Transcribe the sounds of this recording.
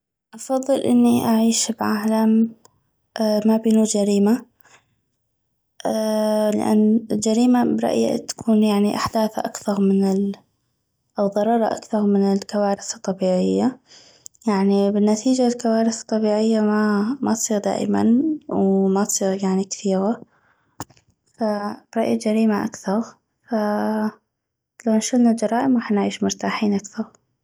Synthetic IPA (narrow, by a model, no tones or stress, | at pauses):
ʔɑfɑðˤːɨlʔɪnːiʔaʕiːʃbʕaːlam | ʔːabiːnud͡ʒaɾiːma | ʔlɪ̰ʔa̰nːɪld͡ʒaɾiːmabɾˤɑ̰ʔja̰t̪ḁkʰuːnjaʕniʔa̰ħd̪aːθaʔakθɑɾˤmɪnɪ | ʔawðˤɑɾˤɑːɾˤɑʔa̰kθɑɾˤmɪnɪlkawaːɾɪθt̪ˤːɑbiːʕɪjːa | jaʕnibɪnːat̪ʰiːd͡ʒalkawaːɾɪθt̪ˤːɑbiːʕɪjːamamat̪sˤiːɣd̪a̰ːʔma̰nwmat̪sˤiːɣjaʕnikθiːɣa | fab̥ɾˤɑʔjad͡ʒaɾiːmaʔakθɑɾ | fa | lawnʃʊlnad͡ʒɑɾˤɑːʔɪmwaħnʕiːʃmʊɾt̪aːħiːnʔakθɑɾˤ